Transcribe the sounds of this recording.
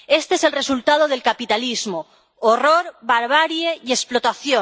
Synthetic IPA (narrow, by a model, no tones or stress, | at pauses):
e̞st̪eeselre̞sult̪að̞oð̞e̞lkapit̪alizmo | oroɾβaɾβ̞aɾjeiesplot̪aθjo